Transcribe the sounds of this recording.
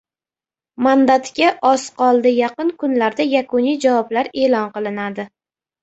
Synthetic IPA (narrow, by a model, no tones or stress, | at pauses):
mand̪at̪kʲaʔɒsqɒlˠd̪ɪjɑqɨnkʰʊnlaɾd̪ajakʰʊnijd͡ʒavɒblaɾe̞lɒnqɨlˠɪnad̪ɪ